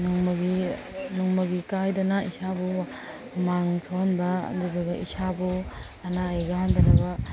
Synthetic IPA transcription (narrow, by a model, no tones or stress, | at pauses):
nuŋmɐɡi | nuŋmɐɡikajdɐnaisabu | maŋtʰohnbɐ̰duduɡaʔisabu | ɐnaːjɡahandɐnɐbɐ